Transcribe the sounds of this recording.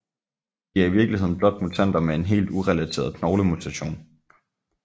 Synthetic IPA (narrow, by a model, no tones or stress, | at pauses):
d̥iæɐiʋiɐɡ̥liɦe̝ð̞̰ˠn̩b̥lɒ̽d̥̚mut͡sʰæn̰d̥ɐmee̝nɦe̝̰ːld̥uʁɛlæt͡sʰe̝̰ːɐðˠkʰnɒʊləmut͡sʰæɕo̝̰ːn